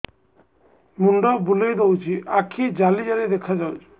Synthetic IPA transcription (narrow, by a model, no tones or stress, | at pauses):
muɳɖɔbulejd̪owt͡ʃʰiakʰid͡ʒalid͡ʒalid̪ekʰad͡ʒawt͡ʃʰi̥